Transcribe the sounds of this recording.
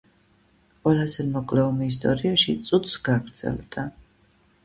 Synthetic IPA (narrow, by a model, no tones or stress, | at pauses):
qʼwɛlˠazɛmɔkʼlɛɔmɛːs̬t̪ʼɔɾiaʃit̪sʼut̪ʰsɡ̥aɡɾd̪zɛ̰lˠd̪̥a